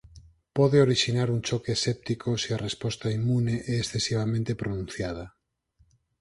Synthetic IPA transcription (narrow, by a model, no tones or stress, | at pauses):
poðeoɾiʃinaɾunt͡ʃokesep̚t̪ikosiarespost̪aimuneʔeːsθesiβ̞amẽnt̪epɾonũnθjað̞a